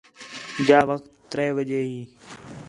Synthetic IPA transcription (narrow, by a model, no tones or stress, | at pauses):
d͡ʒaːʋəkt̪ːɾɛːʋəd͡ʒeːɦiː